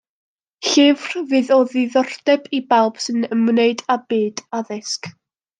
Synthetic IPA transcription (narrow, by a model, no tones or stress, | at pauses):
ɬɪvrvɨːðɔðɪðɔrd̥ɛbibalˠb̥sɨnəmneɨdabiːd̥aðɪsk